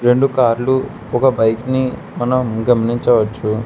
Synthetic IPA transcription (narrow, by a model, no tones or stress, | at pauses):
ɾe̞ɳɖukaːɾlu | ɔkɐbɐjkni | mɐnɐmɡɐmɐniɲt͡ʃɐʋɐt͡ʃːu